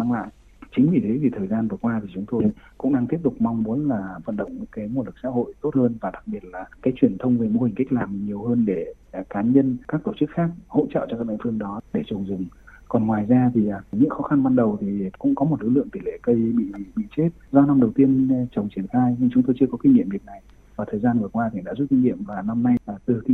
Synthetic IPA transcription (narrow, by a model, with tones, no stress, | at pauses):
maː˧ŋla̰ː˧˨j | t͡ɕï˨˦ŋ̟vḭ˧˩t̪ʰe˨˦vi˨˩t̪ʰəː˨˩jzaː˧nvɨ˨˩əkwaː˧t̪ʰi˨˩t͡ɕʊ˨˦ŋ͡mt̪o˧jkʊ̰˧˥ŋ͡mɗaː˧ŋt̪i˦˥əp̚t̪ʊ˨˩k͡p̚ma˧wŋ͡mmu˨˦ənlaː˨˩və̰˧˨nɗə̰˧˨wŋ͡mɲɨ̰˧˥ŋkaː˨˦jmo˧lɨ˨˩k̚sa̰ː˧˥ho̰˧˨jt̪o˦˥t̚həː˧nvaː˨˩ɗa˨˩k̚ɓi˨˩ət̚laː˨˩kaː˨˦jt͡ɕwi˧˩ənt̪ʰə˧wŋ͡mve˨˩mo˧hi˨˩ŋ̟ka˦˥k̟̚laː˨˩mɲi˨˩əwhəː˧nɗe˧˩ | kaː˨˦ɲə˧nkaː˦˥k̚t̪o˧˩t͡ɕɨ˦˥k̚xaː˦˥k̚ho̰˧˥t͡ɕːt͡ɕɔ˧kaː˦˥k̚ɗɓ̰ŋfɨ˧əŋɗɔ˨˦ɗe˧˩t͡ɕʊ˨˩ŋ͡mzʊ˨˩ŋ͡mkɔ˨˩nŋwaː˨˩jzaː˧t̪ʰi˨˩˨ɲɨ̰˧˥ŋxɔ˨˦xa˧nɓa˧nɗə˨˩wt̪ʰi˨˩kʊ̰˧˥ŋ͡mkɔ˨˦mo˨˩t̚lɨ˨˦˥lɨ̰˧˨ŋt̪i˧˩˨lḛ˧˨kə˧jɓḭ˧˨ɓḭ˧˨t͡ɕe˦˥t̚zɔ˧na˧mɗə˨˩wt̪i˧ənt͡ɕə˨˩wŋ͡mt͡ɕi˧˩ənxaː˧jɲɨ˧ŋt͡ɕʊ˨˦ŋ͡mt̪o˧jt͡ɕɨ˧əkɔ˨˦ki˧ŋ̟ŋḭ˧˨əmvi˨˩ək̚na˨˩j | vaː˨˩t̪ʰəː˨˩jzaː˧nvɨ˨˩əkwaː˧t̪ʰi˨˩ɗa̰ː˧˥zu˦˥t̚ki˧ŋ̟ŋḭ˧˨əmvaː˨˩na˧mna˧jaː˨˩t̪ɨ˨˩kḭ˧